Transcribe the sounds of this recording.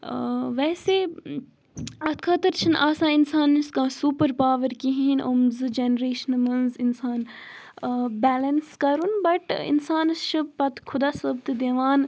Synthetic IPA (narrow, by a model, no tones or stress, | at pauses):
ʋɛːse | ɐt̪kʰɐt̪əɾt͡ʃʰinʔaːsãːinsaːnːiskãːsuːpəɾpaːʋəɾkiɦinʔomzɨd͡ʒenəɾeːʃənmɐnzɪnsaːn | bɛːlɐnskɐɾunbɐʈɪ̰nsaːnʃɨbpɐt̪ʰkʰʊd̪aːsɐbt̪d̪eʋaːn